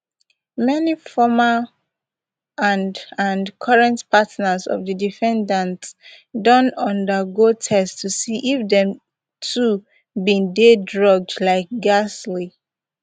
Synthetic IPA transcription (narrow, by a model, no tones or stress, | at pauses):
mɛnifɔma | ãndãnkʰɔɹɛ̃ntpʰatnəzɔ̰vðədifɛ̃ndãnts | dõntɔ̃ndəɡotʰɛstʰusiʔifdɛ̃m | tʰu | bĩndedɹɔɡ̚dlaɪk̚ɡasli